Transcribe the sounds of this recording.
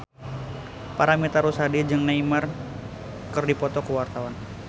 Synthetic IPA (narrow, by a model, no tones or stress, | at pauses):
paɾamit̪aɾusadid͡ʒɨŋnaimar | kɨrdipɔt̪ɔkəwart̪awan